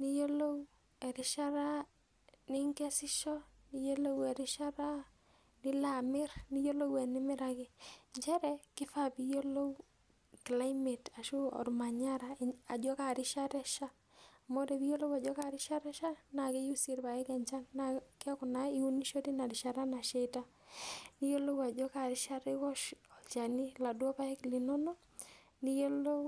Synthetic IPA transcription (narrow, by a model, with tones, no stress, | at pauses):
ni˦jo˦lo˦w | ɛ˨ɾɪ˦ʃa˦ɾa˦ | nɪ˦ŋkɛ˦sɪ˦ʃɔ˦ni˦jo˦lo˦wɛ˨ɾɪ˦ʃa˦ɾa˦ | nɪ˦la˨mɪ˦rni˦jo˦lo˦wɛ˨nɪ˦mɪ˦ɾa˨kɪ˦ɲt͡ʃɛ˦ɾɛ˦kɪ˦fa˦pi˦jo˦lo˦w | kla˦jme˨ta˨ʃu˦ɔ̰˨ɾma˨ɲa˦ɾa˨a˨d͡ʒɔ˦ka˨ɾɪ˦ʃa˦ɾɛ˦ʃa˦˨ | mo˦dɛ˨bi˦jo˦lo˦wa˨d͡ʒɔ˦ka˦ɾɪ˦ʃa˦ɾɛ˦ʃa˦na˨kɛ˦ju˦si˦ɾpa˨ɛ˦kɛ˨ɲt͡ʃa˦nnaka˦kʊ˨na˦i˦u˦ni˦ʃo˦ti˦na˨ɾɪ˨ʃa˦ɾa˦na˨ʃe˦ta˦ | ni˦jo˦lo˦wa˨d͡ʒɔ˦ka˨ɾɪ˦ʃa˦ɾɛ˦kɔ˦ʃɔ˨lt͡ʃa˨nɪ˦la˨dwɔ˦pa˦ɛ˦klɪ˨nɔ˦no˦ | ni˦jo˦lo˦